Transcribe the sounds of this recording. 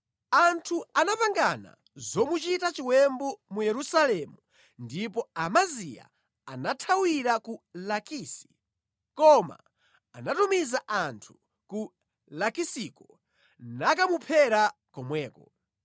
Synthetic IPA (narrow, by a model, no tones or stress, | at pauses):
antʰuanapaŋɡana̰ | zɔmut͡ʃitat͡ʃiwɛmbɔmujɛɾusalɛmu | ndipɔamazija̰ | anatʰawiɾakulakiːsi̥ | kɔma̰ː | natumizaʔantʰu̥ | ku | lakisikɔ | nakamupʰɛɾakɔmwɛːkɔ